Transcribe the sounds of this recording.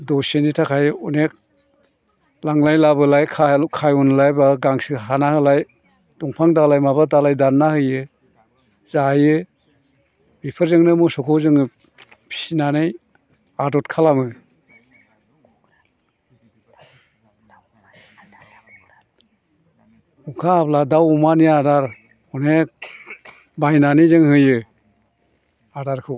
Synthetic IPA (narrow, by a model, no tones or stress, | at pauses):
dɔsenitʰakʰajunek̚ | laŋlajlabɯlajkʰakʰajunlajbaɡaŋsiɦanahɯlaj | duŋpʰaŋdalajmabadalajdanːahɯjɯ | zajɯ | bipʰɯɾzɯŋnɯmusɔkʰɔwzɯŋɯ | pʰi̥sinanej | adɔtkʰalamɯ | ukʰaːpladawumaniadaɾ | ɔnek̚ | bajnanejzɯŋhɯjɯ | adaɾkʰɯ